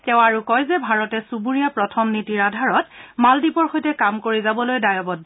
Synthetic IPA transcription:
tɛʊ̃aɹukɔjzɛbʱaɹɔtɛsubuɹijapɹɔtʰɔmnitiɹadʱaɹɔtmaldipɔɹxojtɛkamkoɹizabɔlojdajɔbɔdː

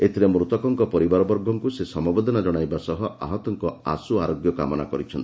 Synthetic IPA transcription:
iet̪ʰiɾemɾut̪ɔkɔŋkɔpɔɾibaɾɔbɔɾɡʱɔŋkusesɔmɔbod̪ʱɔnad͡ʒɔɽ̃ajbasɔɦɔa̰ɦɔt̪ɔŋkɔa̰suaɾoɡjɔka̰mɔna̰kɔɾit͡ʃʰɔnt̪i

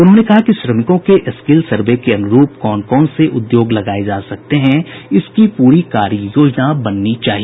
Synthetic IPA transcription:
ʊnɦõːnekɐɦakiʃɾɐmɪkõkeʔɪskɪlsɐɾbekeɐnʊɾuːpkɔːnkɔːnseʔʊd̪joːɡlɐɡaːed͡ʒaːsɐk̚t̪eɦɛ̃ɪskipuːɾikaːɾijoːd͡ʒnabɐnːit͡ʃaːɦiee

